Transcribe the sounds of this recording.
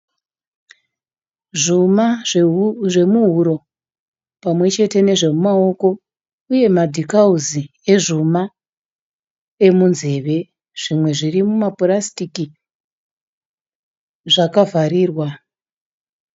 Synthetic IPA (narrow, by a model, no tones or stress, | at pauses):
ʐuma | ʐe̞muɦuɾo̞ | pamwe̞t͡ʃe̞te̞ne̞ʐe̞mumao̞ko̞ | uje̞madʱikauzi | e̞ʐuma | e̞munze̞ʋe̞ | ʐ̥imwe̞ʐirimumaporastiki | ʐakavariːrwa